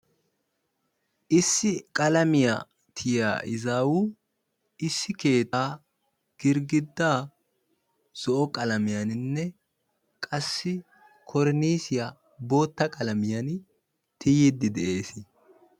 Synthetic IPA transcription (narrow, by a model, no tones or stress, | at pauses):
ʔɪsːɪkʼɐlɐmɪja̰ | t̪ʰɪja̰ːʔɪzaːwu | ɪsːɪke̞ːt̪aː | ɡ̥ɪɾɡɪd̪ːaː | z̥ɔʔɔkʼɐlɐmɪjanɪnːɛ | kʼɐsːɪ | kʰɔɾniːsɪja | bo̞ːt̪ːɐkʼɐlɐmɪjɐn | t̪ɪjid̪ːɪd̪ɛʔe̞ːsɪ